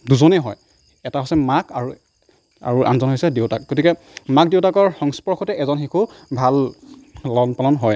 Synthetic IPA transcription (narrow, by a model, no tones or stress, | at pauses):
duzɔnɛɦɔj | ɛtaɦosɛmakaɹu | a̰ɹuʔa̰nzɔnɦojsɛdeʊtak̚ɡotikɛ | mak̚dewtakɔɹxɔŋspɔɹxʰɔtɛʔɛzɔnxikʰubʱal | lɔnpalɔnɦɔj